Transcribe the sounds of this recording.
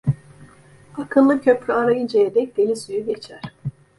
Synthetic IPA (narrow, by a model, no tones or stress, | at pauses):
akʰɯnlˠɯcʰøpɾʲyaɾajɯnd͡ʒejed̪ɛc̚d̪̥enʲisyjyɟe̞t͡ʃʰæɾ̥